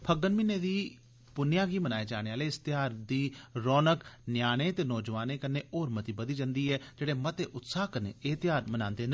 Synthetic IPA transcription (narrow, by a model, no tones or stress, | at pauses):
pʰəɡənmineːd̪iː | pʊnjãːɡiːmənaːeːd͡ʒaːɽ̃eːaːleːɪst̪ɪjaːɾd̪iːɾɔːnəknjaːñeːt̪eːnɔːd͡ʒəʋaːneːkəneːoːɾmət̪iːbəd̪iːd͡ʒənd̪iːɛːd͡ʒeːɽeːmət̪eːʔʊt̪saːɦkənḛːeːt̪ɪjaːɾmənãːnd̪eːnd̪